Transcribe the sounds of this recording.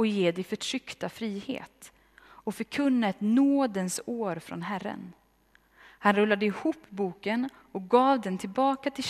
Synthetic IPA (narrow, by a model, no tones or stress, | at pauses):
ɔjeːd̪ɛjfœʈʰɾʏkt̪afɾiːhḛːt̪ | ɔfœɾkʰɵnːaɛt̪noːd̪ənsoːɾfɾɔ̰nɦærːə̰n | hanɾɵlːad̪əɪhuːpːbuːkən | ɔk̚ɡɑːvd̪ɛnt̪ʰɪlbɑːkat̪ʰɪ